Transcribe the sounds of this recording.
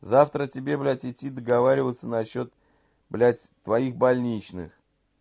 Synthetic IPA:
zaft̪ɾətʲɪbʲe̞blʲætʲɪtʲːid̪əɡɐvaɾʲɪvət̪sənɐɕːot̪ | blʲæt̪ʲːvɐixbɐlʲnʲit͡ɕnɨ̰x

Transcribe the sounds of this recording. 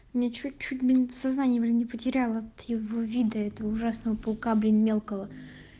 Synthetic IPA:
mnʲet͡ɕut͡ɕːutʲbʲɪnsɐznanʲɪjbɨlʲnʲɪpətʲɪɾʲalˠəɐt̪jɪvovʲid̪əɛt̪əvəʊʐasnəvəpʊlˠkablʲɪnʲmʲe̞lˠkəvə

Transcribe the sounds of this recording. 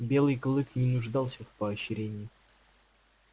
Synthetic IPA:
bʲe̞lˠɨjklˠɨknʲɪnʊʐd̪ɑlˠsʲəfpəɐɕɪɾʲenʲɪː

